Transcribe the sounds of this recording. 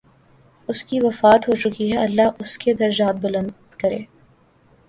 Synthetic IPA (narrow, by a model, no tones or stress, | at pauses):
ʊskiʋɐfaːt̪ɦot͡ʃʊkiɦɛɐlːaɦʔʊsked̪ɐɾd͡ʒaːt̪̚bʊlə̃nd̪kɐɾḛ̃ː